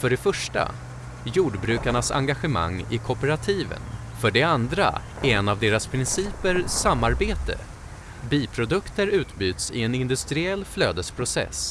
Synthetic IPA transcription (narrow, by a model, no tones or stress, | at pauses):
fœɖɛfœʂʈa̰ | juːɖbɾʉ̟ːkaɳasa̰ŋɡaɧəma̰ŋːɪkʰɔpəɾat̪ʰiːvə̰n | fœɖɛand̪ɾa̰ | ɛɛnːavd̪eːɾaspʰɾɪnsiːpəɾsamːaɾbeːt̪ə̰ | biːpʰɾʊd̪ɵkt̪əɾʉ̟ːt̪byːt̪sɪɛnɪnd̪ɵst̪ɾɪɛlːfløːd̪əspʰɾʊsɛ̰s